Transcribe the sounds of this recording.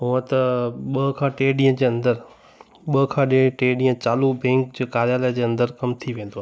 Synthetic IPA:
ɦʊə̃t̪ɐɓɐɦkʰãːʈeːɗĩːə̃d͡ʑeːɐ̃nd̪əɾ | ɓɐɦkʰãːɗẽʈeːɗĩːə̃t͡ɕaːlubẽːŋkd͡ʑeːkaːɾjaːlaːd͡ʑeːɐ̃nd̪əɾkɐmt̪ʰiʋẽːn̆d̪oaː

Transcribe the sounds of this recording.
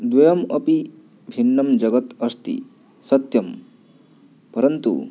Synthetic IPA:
d̪wɐjɐmɐpi | bʱinːɐmd͡ʒɐɡʌt̪ɐst̪ḭ | sɐt̪jɐm | pɐɾɐnt̪ṵ

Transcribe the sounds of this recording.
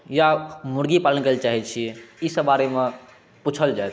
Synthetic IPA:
jamʊɽɡipalənkəlt͡ʃaːɦɛt̪̚t͡ʃʰiisəbaɾemẽ | put͡ʃʰəld͡ʒaet̪

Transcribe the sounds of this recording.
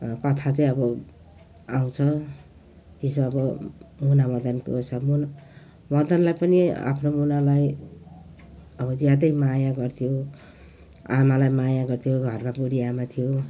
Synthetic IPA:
kʌt̪ʰat͡sʌĩʌbʌ | aw̃t͡sʰʌ | t̪esmaʌbʌmunamʌd̪ʌnko̰sʰʌmun | mʌd̪ʌnlajpʌnia̰pʰnomunalaj | ʌbʌd͡zjad̪ʌjmajaɡʌrt̪ʰijo | a̰nalajmajaɡʌrt̪ʰijoɡʱʌrmabuɽijamat̪ʰijo

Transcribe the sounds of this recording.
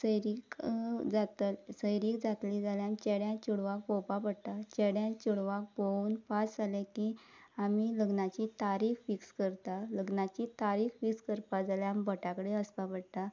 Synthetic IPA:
səjɾikd͡zat̪səjɾiːkd͡zat̪lid͡zaljãnt͡ɕɛɽjãt͡ɕuɽʋak̚bopapəɽt̪at͡ɕɛɽjãt͡ɕuɽʋak̚bouːnpasalekiamiləɡnat͡ɕit̪aɾiːkfikskəɾt̪aləɡnat͡ɕit̪aɾiːkfikskəɾpad͡zaljambəʈakəɽeəspapəɽt̪a

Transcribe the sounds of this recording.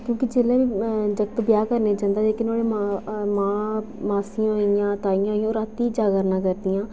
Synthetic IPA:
kjõːkid͡ʒeːlẽːʋid͡ʒəkt̪bjaːkəɾneːd͡ʒãːnd̪aːleːkɪnoːɽeːmamãː | maːsɪjãːɦoːɪjãːt̪aːijãːɦoijãːɾaːt̪iːd͡ʒaːɡəɾnãːkəɾd̪ijãː

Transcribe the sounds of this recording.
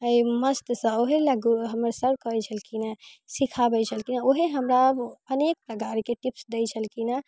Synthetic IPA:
əiməst̪sə̃oɦeləɡuɦəməɾsəɾkət͡ʃʰəlkinasikʰabɛt͡ʃʰəlkinaoɦeɦəmɾaəbənek̚pɾəkaɾkeʈipsd̪ɛjt͡ʃʰəlkina

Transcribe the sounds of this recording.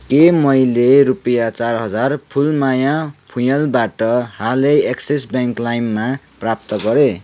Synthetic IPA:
kemʌjleɾupʌjat͡sarɦʌd͡zarpʰulmajapʰujʌlbaʈʌɦaleeksesbjaŋklajmːa | prap̚t̪ʌɡʌɾe

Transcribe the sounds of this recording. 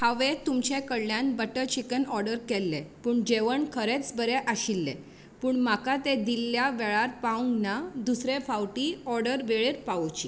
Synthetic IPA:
haʋet̪umt͡ɕekəɽljãnbəʈət͡ɕikənɔɾɖəɾkɛlːepuːɳd͡ʑeʋəɳkʰəɾet͡sbəɾeʔaɕilːḛ | puːɳmakat̪ed̪ilːjaʋɛɭaɾpaũŋɡnad̪usɾefawʈiɔɾɖəɾʋeɭeɾpaʋot͡ɕi

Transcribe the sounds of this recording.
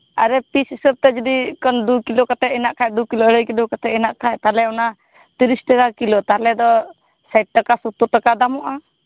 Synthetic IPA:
aɾɛpisisəp̚t̪ɛd͡ʒɔd̪ikɔnd̪ukilɔkat̪ɛʔɛnaʔkʰaj̚d̪ukilɔɽəjkilɔkat̪ʰɛɛnaʔkʰajt̪alɛɔna | t̪iɾisʈaɡakilɔt̪aɾlɛd̪ɔ | sajʈ̚ʈakasut̪ːut̪akad̪amɔʔa

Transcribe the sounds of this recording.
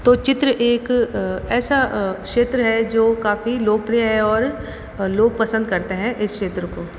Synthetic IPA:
t̪oːt͡ʃɪt̪ɾəʔeːkɛːsakʃeːt̪ɾəɦɛd͡ʒoːkaːfiloːɡpɾijaɦɛɔːɾ | loːɡpɐsə̃nd̪̚kɐɾt̪eɦɛ̃ʔɪskʃeːt̪ɾəkoː

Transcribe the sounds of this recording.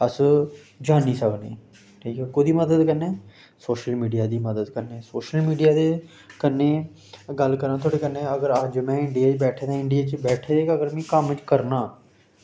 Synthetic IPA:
əs | d͡ʒaːnːiːsəknẽː | ʈʰiːkɛːkoːd̪iːməd̪əd̪kənːeː | soːʃəlmiːɖijaːd̪iːməd̪əd̪kəɾneːsoːʃəlmiːɖijaːd̪eː | kənːeː | ɡəlkəɾnaːt̪ʰoːɽeːkənːẽːəɡəɾəd͡ʒmɛ̃ːɪɳɖijaːt͡ʃbɛːʈʰeːd̪ãːɪɳɖɪijaːt͡ʃbɛːʈʰeːd̪eːkəɡəɾmɛ̃ːkəmt͡ʃkəɾnaː

